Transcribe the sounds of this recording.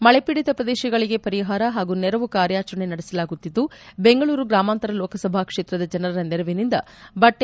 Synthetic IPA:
mɐɭe̞piɽit̪ɐpɾɐd̪eːʃɐɡɐɭiɡe̞pɐɾiɦaːɾɐɦaːɡunɛɾɐʋukaːɾjaːt͡ʃɐɳenɐɽesɐlaːɡut̪ːid̪ːubeŋɡɐɭuːɾuɡɾaːmaːnt̪ɐɾɐlɔːkɐsɐbʱaːkʂe̞ːt̪ɾɐd̪ɐd͡ʒɐnɐɾɐɾɐnɛɾɐʋinind̪ɐbɐʈːe

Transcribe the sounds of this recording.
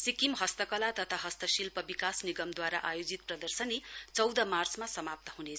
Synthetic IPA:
sikimɦʌst̪ʌkʌlat̪ʌt̪ʰaɦʌst̪ʌsilpʌbikasniɡʌmd̪waɾaʔajod͡zit̪̚prʌd̪ʌrsʌnit͡sʌwd̪ʌmart͡smasʌmap̚t̪ʌɦunet͡sʰ

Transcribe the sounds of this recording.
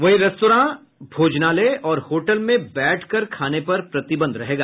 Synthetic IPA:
ʋɐɦiɾɐst̪oːɾãː | bʱoːd͡ʒnaleɔːɾhoːʈəlmẽbɛːʈʰkɐɾkʰaːnepɐɾpɾɐt̪ɪbə̃nd̪ɾɐɦeːɡaː

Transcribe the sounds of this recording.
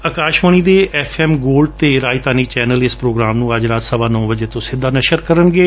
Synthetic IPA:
əkaːʃʋəɳ̃iːd̪eːʔɛːfʰɛːmɡoːlɖ̚t̪eːɾaːit̪aːniːt͡ʃɛːnəlɪspɾoːɡɾaːmnũːəd͡ʒɾaːt̪səbaːnɔ̃ːbəd͡ʒeːt̪õːsɪd̪aːnəʃəɾkəɾənɡeː

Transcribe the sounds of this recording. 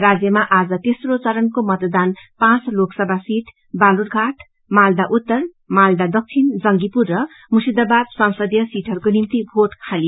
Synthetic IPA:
rad͡zjʌmaʔad͡zʌt̪esrot͡sʌɾʌnkomʌt̪d̪anpãt͡sloksʌbʱasiʈʰ | balurɡʱaʈʰ | mald̪aʔut̪ːʌr | mald̪ad̪ʌk̚t͡sʰind͡zʌŋɡipurːʌ | musid̪ʌbad̪̚sʌwsʌd̪jʌsiʈʰʌɾukonimt̪ibʱoʈkʰalijo

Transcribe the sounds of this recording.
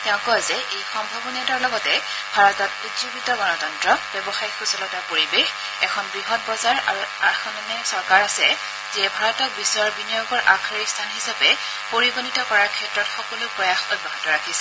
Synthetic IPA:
tɛʊ̃kɔzɛʔejxɔmbʱɔbɔnataɹlɔɡɔtɛ | bʱaɹɔtɔtutzubitɔɡɔnɔtɔntɹɔb̥ɛbɔxajxusɔlɔtapoɹibex | ɛkʰɔnbɹiɦɔt̚bɔzaɹa̰ɹuaɹxamanɛsɔɹkaɹasɛ | ziɛbʱaɹɔtɔk̚bisɔjaɹbinijoɡɔɹʔakʰaɹistʰanhisapɛ | poɹibonitɔkɔɹaɹkʰɛtɹɔtxɔkɔlʊpɹɔjaxobʱːaɦɔtɔɹakʰisɛ

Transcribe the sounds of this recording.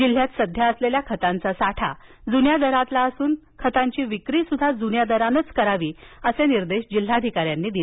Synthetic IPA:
d͡ʑil̤jat̪səd̪ʱjaəsleljakʰət̪ãnt͡sasaʈʰa̰d͡zunjad̪əɾat̪laəsuːnkʰət̪ãɲt͡ɕiːʋikɾiːsud̪ʱːad͡zunjad̪əɾanət͡skəɾaʋiːəseniɾd̪eɕd͡ʑil̤ad̪ʱikaɾjanːiːd̪ile

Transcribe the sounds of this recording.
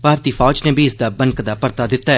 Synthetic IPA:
bʱaːɾt̪iːfʰaːd͡ʒneːbʱiɪsd̪aːbənkd̪aːpəɾt̪aːd̪ɪt̪ːaːɛ

